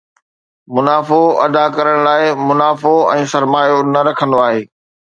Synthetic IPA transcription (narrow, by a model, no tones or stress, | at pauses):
mʊnaːfoɐ̰d̪akɐɾəɽ̃laːɪmʊnaːfoɛ̃ːsɐɾmaːjonɐɾɐkʰə̃nd̪oaːɦeː